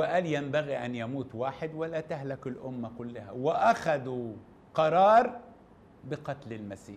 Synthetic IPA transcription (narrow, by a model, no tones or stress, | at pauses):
wɪʔaljambaɣiʔanjamuːt̪waːħɪd̪walːat̪ahlakɪlʔʊmːakʊlːɪha̰wɪʔaxad̪u | qɑɾˤɑːɾˤ | bɪqɑt̪lɪlmasiːħ